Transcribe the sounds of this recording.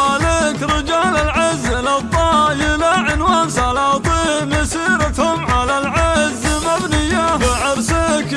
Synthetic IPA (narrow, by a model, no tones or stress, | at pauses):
alɪkɾɪd͡ʒaːlalʕɪzːɪlat̪ˤːɑjɪlaʕɪnwansalat̪ˤimɪsiːɾat̪hʊmʕalalʕɪzːmabnɪjːaʕaɾsak